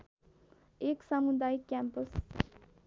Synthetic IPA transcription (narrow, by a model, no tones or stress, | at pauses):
eksamud̪ajikʲæmpəs